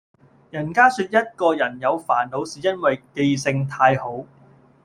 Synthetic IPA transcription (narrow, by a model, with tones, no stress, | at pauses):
jɐ˨˩nkaː˥syː˧t̚jɐ˥t̚kɔː˧jɐ˨˩njɐ˨˧wfaː˨˩nlo˨˥wsiː˨jɐ˥nwɐ˨jke˧jsɪ˧ŋt̪ʰaː˧jho˨˥w